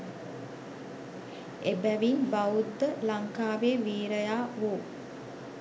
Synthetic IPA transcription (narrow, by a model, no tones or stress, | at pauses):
ebæʋinbaud̪ːəlaŋkaːʋeːʋiːɾəjaːʋoː